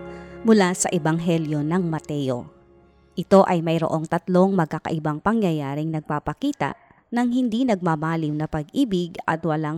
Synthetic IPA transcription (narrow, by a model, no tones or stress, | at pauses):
mʊlasɐ̰ʔɪbɐŋɦɛljo̞nɐŋmɐt̪ɛjo̰ | ʔɪt̪o̞ʔɐjmɐjɾo̰ʔo̞ŋt̪ɐt̪lo̞ŋmɐɡ̚kːakɐ̰ʔɪbaŋpɐŋjɐjaːɾɪŋnɐɡ̚paːpɐkiːt̪ɐ̰ʔ | nɐŋɦɪnd̪inɐɡ̚mamaːlɪmnɐpɐɡ̚ʔiːbɪɡɐ̰t̪wɐlaŋ